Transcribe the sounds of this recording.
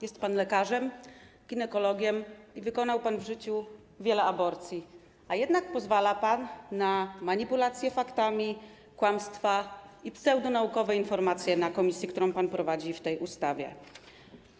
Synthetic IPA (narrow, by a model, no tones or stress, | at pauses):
jɛst̪̚panlɛkaʐɛm | ɡʲinɛkɔlɔɡʲjɛmivɘkɔnawpanvʐɘt͡ɕu | vʲjɛlɛabɔɾt̪sʲji | ajɛd̪nak̚pɔzvalapanːamaɲipulat̪sʲjɛfakt̪amʲi | kwamst̪faipsɛwd̪unaukɔvɛinfɔɾmat̪sʲjɛnakɔmʲisʲjikt̪uɾɔ̃w̃panpɾɔvad͡ʑift̪ɛjʔust̪avʲjɛ̰